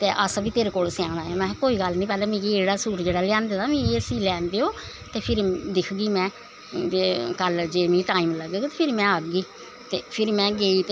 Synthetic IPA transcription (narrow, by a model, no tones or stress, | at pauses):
t̪eːʔəsbiːt̪eːɾeːkoːlsɪjãːnaːaːmɛ̃ːkoːiːɡəlnĩːpɛːleːmĩːkieːɽaːsuːɾd͡ʒeːɽaːlɪjãːnd̪ed̪aːmĩːesiːlɛːnd̪eːoː | t̪eːpʰɪɾd̪ɪkʰɡiːmɛ̃ː | eːkəld͡ʒeːmĩːʈaːiːmləɡeːɡːt̪eːpʰɪɾmɛ̃ːəɡɡiː | t̪eːpʰɪɾmɛ̃ːɡeːiːt̪ː